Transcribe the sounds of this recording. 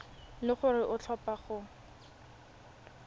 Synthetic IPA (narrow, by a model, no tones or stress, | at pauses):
lɪχʊrɪʔʊt͡ɬʰɔpaχʊ